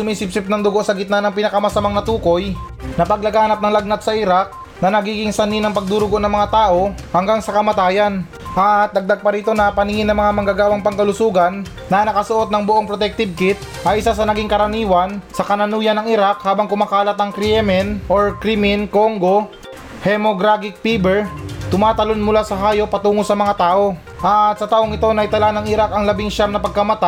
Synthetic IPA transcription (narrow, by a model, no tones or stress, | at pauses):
sʊmiːsɪp̚sɪp̚nɐŋd̪ʊɡo̞ʔsɐɡɪt̪̚nanɐŋpɪnɐkɐmɐsɐmaŋnɐt̪uːko̞j | nɐpɐɡ̚lɐɡaːnɐp̚nɐŋlɐɡ̚nat̪̚sɐʔɪɾak̚ | nɐnɐɡiːɡɪŋsɐninɐŋpɐɡ̚d̪uːɾʊɡo̞ʔnɐŋmɐŋat̪aːʔo̞hɐŋɡaŋsɐkɐmɐt̪aːjɐn | ʔat̪̚d̪ɐɡ̚d̪aɡ̚pɐɾiːt̪o̞nɐpɐnɪŋɪnːɐŋmɐŋamɐŋɡaɡaːwɐŋpɐŋkɐlʊsuːɡɐnː | ɐnɐkɐsʊʔo̞t̪̚nɐŋboʔo̞ŋpɾot̪ɛk̚t̪ɪb̚kɪt̪̚ | ʔɐjʔɪsasɐnɐɡiŋkɐɾɐniːwɐnsɐkɐnɐnuːjɐnɐŋɪɾak̚haːbɐŋkʊmakaːlɐt̪̚nɐŋkɾɪɛmɛnʔoɹkɾimɪnkoŋɡo̞ | hɛmo̞ɡɾaɡɪk̚piːbɛɹt̪ʊmaːt̪ɐlo̞nmʊlasɐɦaːjo̞pɐt̪uːŋosɐmɐŋat̪aːʔo̞ | ʔɐt̪̚sɐt̪aːʔoŋɪt̪o̞nɐʔɪt̪ɐlanɐŋɪɾakɐŋlɐbiŋʃamnɐpɐɡ̚kɐmɐt̪a